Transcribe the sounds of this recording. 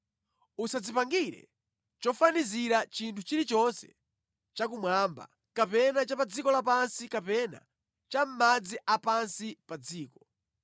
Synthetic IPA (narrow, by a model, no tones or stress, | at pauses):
usad͡zipaŋɡiɾɛ̰ | t͡ʃɔfaniziɾat͡ʃintʰut͡ʃiɾit͡ʃɔnsɛ̰ | t͡ʃak̬umwamba̰ | kapɛnat͡ʃapad͡zikɔlapansikapɛna̰ | t͡ʃam̩mad͡ziʔapansipad͡ziːkɔ̥